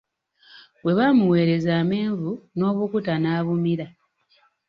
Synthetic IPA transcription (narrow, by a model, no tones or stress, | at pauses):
we̞βamuwe̞ːɾe̞zaːme̞ːɱvuno̞ːβukutanaːβumiɾa